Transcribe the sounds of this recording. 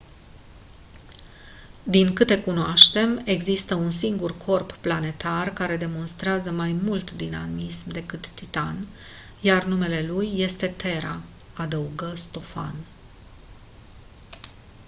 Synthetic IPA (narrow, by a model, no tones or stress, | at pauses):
d̪iŋkɨt̪e̞kunoaʃt̪e̞me̞ɡzist̪əuns̬iŋɡurkʰo̞rpːlane̞t̪arkaɾe̞d̪e̞mo̞nst̪ɾeazəmajmult̪d̪inamismd̪e̞kɨt̪ːit̪an | jarnume̞le̞lujːe̞st̪e̞t̪e̞ɾa | ad̪əuɡəst̪o̞fa̰n